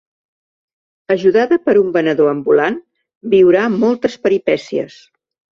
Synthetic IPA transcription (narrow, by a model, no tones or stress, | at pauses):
əʒuðaðəpəɾumbənəðoəmbulan | biwɾamɔlˠt̪əspəɾipɛsiə̰s